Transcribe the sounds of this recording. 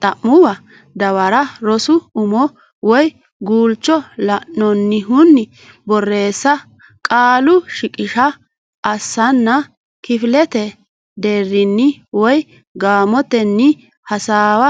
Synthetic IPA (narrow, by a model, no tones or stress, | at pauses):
t̪ʼɐʔːʊwɐ | d̪ɐwɐɾɐɾɔsʊʊmɔ | wɔj | ɡuːlt͡ʃːɔlɐʔɔnːɪɦʊnːɪ | bɔrːe̞ːsːɐ | kʼaːlʊʃɪkʼɪʃɐ | ʔɐsːɐnːɐ | kɪfɪlɛt̪ɛ | d̪eːrːɪnːɪwɔj | ɡaːmɔt̪ɛnːɪ | hɐsaːwɐ